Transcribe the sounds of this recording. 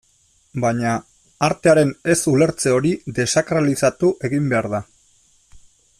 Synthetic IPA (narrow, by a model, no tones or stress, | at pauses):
baɲa | aɾt̪e̞aɾe̞ne̞sule̞ɾt͡se̞o̞ɾid̪e̞sakɾalisat̪uʔe̞ɣimbe̞aɾða